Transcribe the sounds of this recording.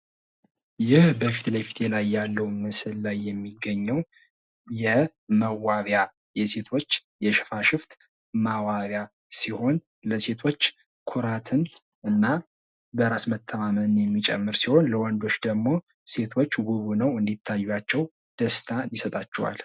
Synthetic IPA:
jɪhbəfi̥t̪lajfi̥t̪ʰelajːalːəwmɨsɨllajːɛmːiɡːəɲːɛw | jɛ | məwaβja | jɛse̞t̪ʰo̞t͡ʃːjɛʃɪ̥faʃɪft̪ | mawaβja | siho̞n | ləse̞t̪ʰo̞t͡ʃː | kʰuɾat̪ʰɨn | ʔɨnːa | bəɾasmət̪ʰːəmamənɨnjɛmːit͡ʃʼɛ̰mːɨɾsiho̞nləwand̪o̞t͡ʃːd̪əɡmo̞ | se̞t̪ʰo̞t͡ʃːɡuβunəwɨnd̪it̪ʰːajːat͡ʃːɛw | d̪̥əst̪ʰanisət̪ʼat͡ʃːɛwa̰l

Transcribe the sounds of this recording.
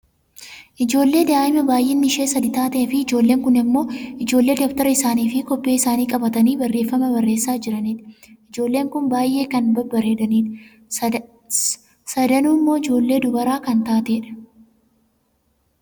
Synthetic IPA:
ʔɪd͡ʒo̞ːlːe̞ːd̪aːʔɪmɐbaːjʔeːnːɪʃe̞ːsɐd̪ɪt̪aːt̪efɪɪd͡ʒo̞ːlːe̞ːŋkʊnɪmːo̞ːɪd͡ʒo̞ːlːe̞ːd̪ɔkt̪ɐɾɐɪsaːniːfɪkɔpːe̞ːɪsaːniːkʼɐbɐt̪ɐniːbɐrːeːfːɐmɐbɐrːe̞ːsːaːd͡ʒɪɾɐniːᶑ̪ɪɪd͡ʒo̞ːlːe̞ːŋkʊnbaːjʔe̞ːkɐnbɐbɐɾeːᶑ̪ɐniːᶑ̪ | sɐd̪ɐnuːɪmːo̞ːɪd͡ʒo̞ːlːe̞ːd̪ʊbɐɾaːkɐnt̪aːt̪eːᶑɐ̥

